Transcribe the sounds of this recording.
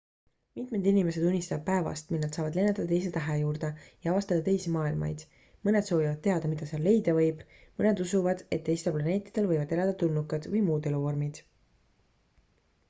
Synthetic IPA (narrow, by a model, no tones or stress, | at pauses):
mit̪me̞d̪inime̞se̞d̪unʲːist̪ɑd̪̚pæe̞vɑ̰st̪milnɑd̪sɑːvɑd̪le̞net̪ːɑd̪ɑt̪ejs̬e̞t̪æɦejuːɾd̪ejɑɑvɑst̪ɑd̪̥ɑt̪e̞jsimɑːilmɑ̰jd̪̥ | mɤne̞d̪̥so̞ːvivɑd̪̥̚teɑd̪̥ɑmid̪̥ɑseɑlːe̞jd̪̥ɑvɤ̞jb̥ | mɤne̞d̪usuvɑd̪̥e̞t̪ːe̞jst̪elplɑne̞ːt̪ːˑi̥d̪̥e̞lvɤjvɑd̪̥elɑd̪̥ɑt̪unːukːˑɑd̪̥vɤjmuːd̪e̞luvo̞rmid̪̥